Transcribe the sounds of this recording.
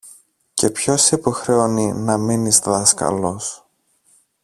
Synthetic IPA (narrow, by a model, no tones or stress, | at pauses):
ce̞pço̞sepoxɾeoninɐminizðɐskɐ̰lo̞s